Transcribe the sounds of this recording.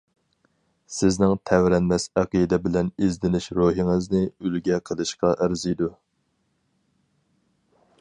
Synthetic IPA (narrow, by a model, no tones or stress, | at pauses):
sɪznɪŋt̪ʰɛwɾɛnmɛsæqid̪ɛbɪlɛnizd̪ɪnɪʃɾoɦiŋɨznɨylɡʲɛqʰəlˠɨʃqɑʔæɾzid̪u